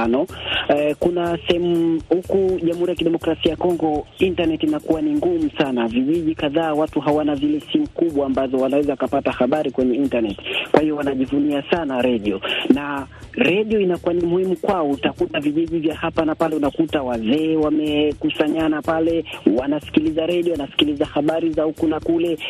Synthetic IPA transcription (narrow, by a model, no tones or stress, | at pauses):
nɔ | kunasɛhɛmuhukuʄam̩huɾijakiɗɛmɔkɾasiajakɔŋɡɔintanɛtinakuwaniŋɡumusanaviʄiʄikaðaːwatuɦawanazilɛsimukuɓwaːmbazɔwanawɛzakapatahaɓaɾikwɛɲɛintanɛti̥kwahiɔwanaʄivuniasanaɾɛɗiɔna | ɾɛɗiɔinakuwanimuhimukwaɔutakutaviʄiʄivjahapanapalɛunakutawazɛːwamɛkusaɲanapalɛwanasi̥kilizaɾɛɗiɔwanasi̥kilizahaɓaɾizaukunakulɛ